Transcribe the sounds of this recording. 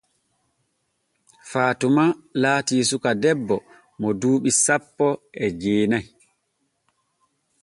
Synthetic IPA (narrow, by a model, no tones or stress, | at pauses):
faːtumalaːtiːsukadɛbːɔ | mɔduːɓisapːɔɛd͡ʒeːnaj